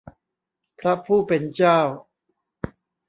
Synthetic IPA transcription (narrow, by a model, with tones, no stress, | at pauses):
pʰɾa˦˥pʰuː˥˩pe˧nt͡ɕaː˥˩w